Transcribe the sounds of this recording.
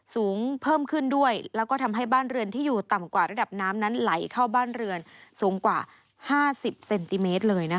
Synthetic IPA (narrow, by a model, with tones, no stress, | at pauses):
suː˩˦ŋpʰɤː˥˩mkʰɯ˥˩ndu˥˩əjlɛː˦˥wkɔː˥˩t̪ʰa˧mɦa˥˩jbaː˥˩nɾɯ˧ənt̪ʰiː˥˩juː˨˩t̪a˨˩mkwaː˨˩ɾa˧da˨˩p̚naː˦˥mna˦˥nla˩˦jkʰa˥˩wbaː˥˩nɾɯ˧ənsuː˨˩˦ŋkwaː˨˩ | haː˥˩si˨˩p̚se˧nt̪i˧meː˦˥t̪̚lɤː˧jna˦˥